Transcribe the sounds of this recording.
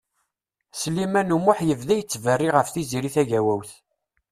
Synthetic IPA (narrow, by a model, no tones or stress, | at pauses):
slimænumʊħjəvðæjət͡sːvərːiʁəfθiziɾiθæʝæwæwθ